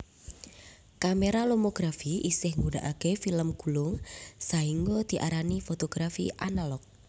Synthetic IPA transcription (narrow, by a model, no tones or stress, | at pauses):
kameɾalomoɡ̥ɾafiʔisɪhŋunɖaʔakefiləmɡ̥ulʊŋsaiŋɡɔd̪̥i̤ʔaɾanifot̪oɡ̥ɾafḭʔanalɔk̚